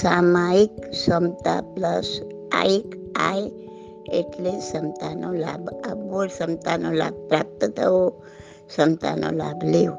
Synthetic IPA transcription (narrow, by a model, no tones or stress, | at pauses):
samajiksəmt̪a̰pləs | a̰ik | aj | eʈlesəmt̪anɔla̰bəboɾsəmt̪anola̰b̚pɾap̚t̪ət̪ʰəo | sənt̪a̰nɔ̰lablew